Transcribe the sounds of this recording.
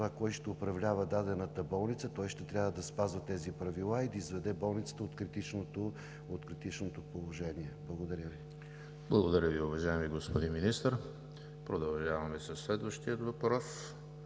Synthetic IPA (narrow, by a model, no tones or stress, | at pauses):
vakɔjʃt̪ɛʊpɾɐvlʲavəd̪ad̪ɛnət̪əbɔlˠnit̪sət̪ɔjʃt̪ɛt̪ɾʲavəd̪ɐspazvət̪ɛzipɾɐvilˠaid̪ɐizvɛd̪ɛbɔlˠnit̪sə̥t̪əot̪kɾit̪it͡ʃnot̪o | ot̪kɾit̪it͡ʃnot̪opolˠoʒɛniɛblˠɐɡod̪ɐɾʲəvi | blˠɐɡod̪ɐɾʲəviʊvɐʒaɛmiɡospod̪inminist̪əɾ | pɾod̪ɐlˠʒavɐmɛsɐsːlɛd̪vɐʃt̪iət̪vɐpɾɔs